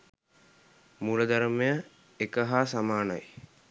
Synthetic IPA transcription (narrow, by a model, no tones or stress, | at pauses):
muləd̪aɾəmejə | ekəɦaːsamaːnaj